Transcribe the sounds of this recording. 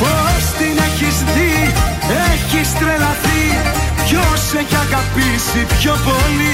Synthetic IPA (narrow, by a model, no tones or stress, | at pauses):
post̪ineçizði | eçist̪ɾelɐθi | coseʝɐɣɐpisipçopoli